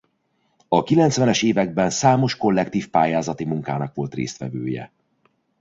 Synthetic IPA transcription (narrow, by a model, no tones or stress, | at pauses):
ɒkilɛnt̪svɛnɛʃeːvɛɡ̚bɛnsaːmo̞ʃko̞lːɛkt̪iːfpaːjaːzɒt̪imuŋkaːnɒkʋo̞lt̪rḛːst̪ʋɛ̰vø̰ːjɛ̰